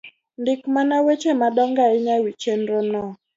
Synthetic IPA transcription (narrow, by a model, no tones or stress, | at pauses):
ndɪkmanawet͡ʃemadɔŋɡaɪɲawit͡ʃenɾonɔ